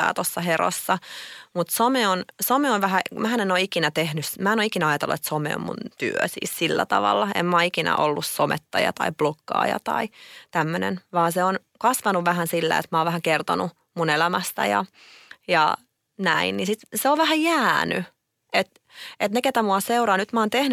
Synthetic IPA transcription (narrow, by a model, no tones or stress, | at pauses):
æ̰ːt̪osːɑhero̰sːɑmut̪someonsomeonʋæɦæmæhænenoikinæt̪ehnysmæːenoikinæɑjɑt̪eluet̪someɛ̰o̰mmṵnt̪yø̰sḭːssilːæ̰t̪ɑ̰ʋɑ̰lːɑḛmmɑikinæ̰ʔolːussomḛt̪ːɑjɑ̰t̪ɑ̰ib̥lokːɑ̰ːjɑ̰t̪ɑ̰it̪æmːønḛnʋɑːnseon | kɑsʋɑnuʋʋæɦænsilːḛḛt̪mæoːʋʋæhækert̪o̰nu | munelæmæst̪æ̰jɑ̰ | jɑ̰ | næinnisit̪seoʋʋæhæjæːny | et̪ | et̪neket̪æmuɑseuɾɑːnyt̪mæoːnt̪ehny